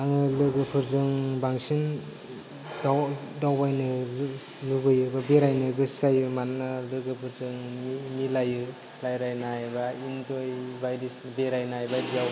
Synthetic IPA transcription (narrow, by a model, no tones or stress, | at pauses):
aŋɯlɯɡɯpʰɯɾzɯŋbaŋsin | dadawbajnɯ | lɯɡɯjɯbabeɾajnɯɡɯsajɯmannalɯɡɯpʰɯɾzɯŋmimilajɯ | lajɾajnajbaintojbajɾisnbeɾajnajbadijaw